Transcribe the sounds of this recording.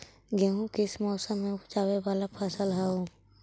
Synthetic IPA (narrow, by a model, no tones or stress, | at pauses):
ɡeɦũkɪɪsmɔːsəmːẽt͡ʃaːwewaːlapʰaːsəlɦaɦũ